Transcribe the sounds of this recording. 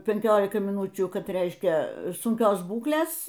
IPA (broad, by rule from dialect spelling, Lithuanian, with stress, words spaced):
pʲɛŋʲˈkʲoːlʲɪkɐɪ mʲɪˈnuːt͡ʃʲuː ˈkɐt ˈrʲɛɪʃʲkʲɛ sʊŋʲˈkʲoːs ˈbuːklʲeːs